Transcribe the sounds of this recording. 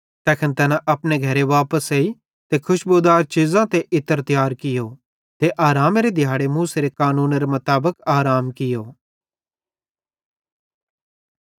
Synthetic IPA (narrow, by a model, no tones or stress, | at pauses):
t̪ɛːkʰənt̪ɐːnãʔɐpneɡʱɐɾeʋaːpəseːi | t̪ekʰʊʃboːd̪aːɾt͡ʃɪzãt̪eʔɪt̪əɾt̪ɪjaːɾkɪjo | t̪eʔaːɾaːmɾed̪ʱɪjaːɽemuːseɾekaːnũːnɾemɐt̪aːbəkaːɾaːmkɪjoː